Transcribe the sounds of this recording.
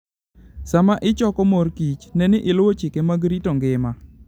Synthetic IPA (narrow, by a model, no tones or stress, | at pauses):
samaʔɪt͡ʃɔkɔmorkit͡ʃnɛnɪʔɪlʊwot͡ʃɪkemaɡɾitoŋɡɪma